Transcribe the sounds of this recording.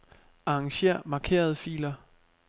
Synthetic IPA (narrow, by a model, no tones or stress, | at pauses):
ɑ̈ɑŋɕe̝̰ɐ̰mɑ̈ːkʰe̝̰ːɐð̞ˠfḭːlɐ